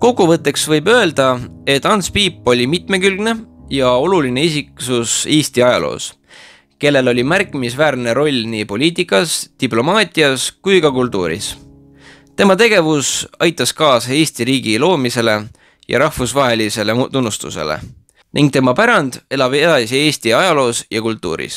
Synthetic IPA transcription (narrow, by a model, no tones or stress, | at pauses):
ko̞kːˑuvɤt̪ːˑe̞ksvɤjbø̞e̞ld̪̥ɑe̞t̪ːˑɑnspiːpːˑo̞lʲimit̪me̞kylɡ̥ne̞jɑo̞luline̞is̬iksuseːst̪iɑjɑ̰lo̞̰ːs | ke̞lːe̞lo̞lʲimærkːˑimisvæːɾne̞ɾo̞lʲniːpo̞lʲiːt̪ikːˑɑst̪iplo̞mɑːt̪ʲˑiɑskujkɑkult̪ˑːuːɾḭs | t̪e̞mɑt̪e̞ɡ̥e̞vusɑjt̪ːˑɑskɑːse̞ːst̪iɾiːɡ̥ilo̞ːmise̞le̞ | jɑ̰ɾɑhfusvɑɦe̞lise̞let̪unːust̪ṵse̞̰lḛ | nʔiŋɡ̥̚t̪e̞mɑpæɾɑnd̪̥e̞lɑb̥e̞t̪ɑsie̞ːst̪iɑjɑlo̞ːsjɑkult̪ːˑṵːɾḭs